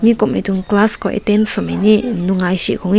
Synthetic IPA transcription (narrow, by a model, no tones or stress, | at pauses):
mĩkomḛ̃t̪uŋklaskoʔḛt̪ensomeninuŋajʃiʔkoŋ